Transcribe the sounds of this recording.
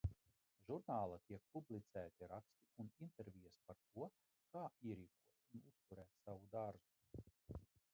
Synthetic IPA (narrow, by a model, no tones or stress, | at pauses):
ʒuɾnaːlˠat̪iɛk̚publˠit̪sæːt̪iɾakst̪iunint̪eɾvʲijɛspaɾt̪uɔ | kaːʔiɛɾiːkuɔt̪unust̪uɾæːt̪savud̪aɾzu